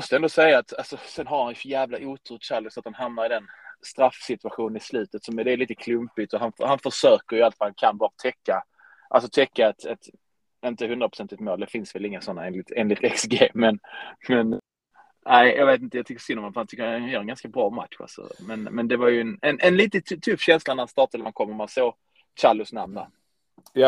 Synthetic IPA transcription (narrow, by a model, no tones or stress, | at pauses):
mɔst̪əɛnd̪ɔsɛjːaːt̪alsɔsɛnɦaɾhanjfnjæːvlaʔuːt̪ʰuɕalːəsɔat̪̚hanɦamnaɾɪd̪ɛnst̪ɾafːsɪt̪ʉaɧuːnənɪslʉ̟ːt̪ət̪sɔmɛd̪ɛːɾliːt̪əkʰlɵmpɪɡt̪ɔɦanfhanfœʂøːkəjalt̪faɾhnkʰanbɑːɾat̪ʰɛkːa | ʔa̰lsɔt̪ʰɛkːaɛt̪ɛt̪ | ɪnt̪əhɵnd̪ɾapʰʊ̥sɛnt̪ɪkt̪moːld̪ɛfɪnsvɛlɪŋːasɔnːaeːnlɪt̪ʰeːnlɪt̪ɛksɡejmɛnmɛn | næɪjʔɑ̰ɡveːt̪ɪnt̪əjɑt̪ʰʏkːə̥sʏnːɔmhanfəɾhant̪ʰʏkːənjœːɾɛnɡanskabɾɑːma̰t̪ɧa̰lsɔ̰mɛnmɛnd̪ɛvaɾjɵɛnɛnʔɛnliːt̪ət̪ʰt̪ʰɵfːɕɛnslanæɾhast̪ɑːʈad̪əmankʰɔmːəɾmɛsoː | ɕalʊsnamna | ja